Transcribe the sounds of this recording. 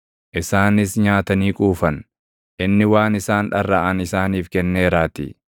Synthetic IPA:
ʔɪsaːnɪsɲaːt̪ɐniːkʼuːfɐn | ʔɪnːɪwaːnɪsaːnᶑɐrːaːʔɐnɪsaːniːfkɛnːeːɾaːt̪ɪ̰

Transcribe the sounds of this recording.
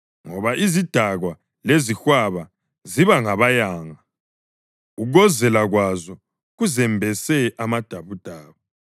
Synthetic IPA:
ŋɔβaʔizid̥ʱaɣwa | lezixwaβa | ziβaŋaβajaːŋa | uɣɔzɛlaɣwazɔ | ɣuzɛmbʱɛsɛʔamad̥ʱaβud̥ʱaːβa

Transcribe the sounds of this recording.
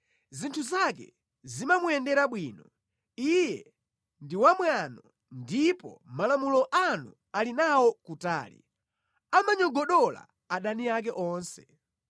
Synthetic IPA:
zintʰuzak̬ɛ̰ | zimamuɛndɛɾaɓwiːnɔ | ijɛ | ndiwamwanɔ | ndipɔ̰malamulɔʔanṵ | alinawɔkuta̰ːlḭ | amaɲɔɡɔɗɔla̰ | aɗaniak̬ɛʔɔːnsɛ̥

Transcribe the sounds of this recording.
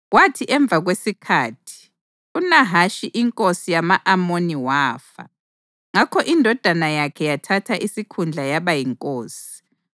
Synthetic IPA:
ɣwatʰiʔɛɱb̪vʱaɣwesikʰaːtʰi̥ | unaɦaʃiʔiŋkʼosijamaʔamoniwaːfa̰ | ŋakʰɔʔindʱɔd̥ʱanajakʰɛjatʰatʰaʔisikʰund͡ɮʱajaβajiŋkʼoːsi̥

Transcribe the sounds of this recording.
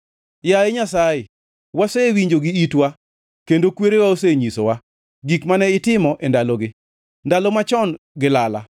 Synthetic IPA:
jaeɲasajɪ | wasewiɲd͡ʒoɡiitwa | kendokweɾewaoseɲisowa | ɡikmanɛɪtɪmɔʔendaloɡɪ | ndalɔmat͡ʃɔn | ɡɪlala̰

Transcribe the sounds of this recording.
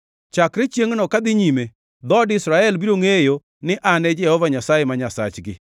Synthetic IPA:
t͡ʃakɾet͡ʃjeŋnɔkad̪ɪɲime | d̪ɔdɪsɾaɛlbiɾoŋejo | nɪʔanɛd͡ʒɛhɔvaɲasajemaɲasa̰t͡ʃɡɪ̰

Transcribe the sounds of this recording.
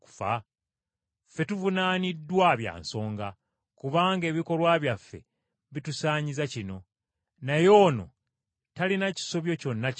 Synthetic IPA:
ku̥fa̰ | fe̞tuvunaːnidːwaβja̰ːnso̞ːŋɡa | kuβaːŋɡe̞ːβiko̞lwaːβjafːe̞̰ | βitusaːɲizacino̞ | najo̞ːno̞̰ | talinaci̥so̞βjo̞co̞nːa

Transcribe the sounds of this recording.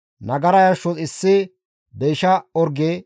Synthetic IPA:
nɐɡɐɾɐjɐɾʃːɔtɪsːɪ | beːʃɐɔɾɡe

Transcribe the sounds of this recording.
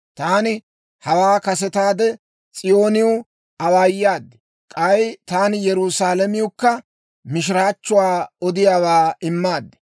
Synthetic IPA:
t̪aːnɪ | hɐwaːkɐsɛt̪aːd̪ɛ | t͡sʼɪjo̞ːnɪjʊ | ɐwaːjːaːd̪ːɛ̥ | kʼɐjt̪aːnɪjɛɾusaːlɐmɪjʊkːɐ | mɪʃ̬ɪɾaːt͡ʃːʊwaːɔd̪ɪjaːwaːɪmːaːd̪ːɛ̥

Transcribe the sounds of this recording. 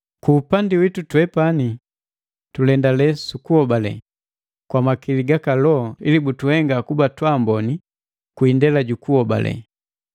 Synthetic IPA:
kuːpandiwitutwɛpani | tulɛndalɛsukuɔbalɛ̰ | kwamakiliɡakalɔɔilibutuhɛŋɡakubatwambɔni | kuindɛlaɟukuɔba̰lɛ̰

